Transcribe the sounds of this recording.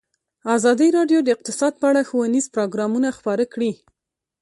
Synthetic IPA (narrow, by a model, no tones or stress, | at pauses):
ɑzɑd̪iɾɑɖjod̪əɪq̚t̪ɪsɑd̪̚pəaɽaxowanizpɾoɡɾɑmunaxpɑɾakɽi